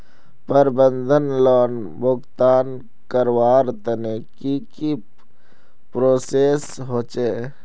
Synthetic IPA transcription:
pəɾbənd̪ʱənlɔːn | bʊkt̪aːn | kəɾwaːɾt̪ənekiki | pɾoːseːs | ɦoːt͡ʃe

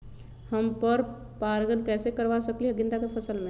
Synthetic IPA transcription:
həmpəɾ | paɾɡənkɛsekəɾʋasəkliɦəɡĩnd̪akepʰəsəlme

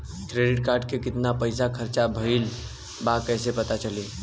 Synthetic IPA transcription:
kɾeɖɪʈ̚kaɾɖkekɪt̪napəjsakʰəɾt͡ʃabʱəɪl | bakəɦsepət̪at͡ʃəli

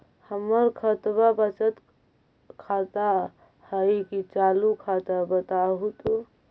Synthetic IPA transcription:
həməɾkʰət̪babət͡ʃət̪ | kʰat̪a | həjkit͡ʃalukʰat̪abət̪aɦut̪u

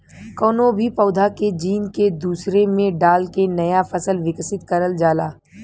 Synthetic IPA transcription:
kɔːnobʱipɐːd̪ʱaked͡ʒiːnked̪uːsɾemẽɖaːlkenɐjafɐsəlʋɪksɪt̪kɐɾəld͡ʒaːlaː

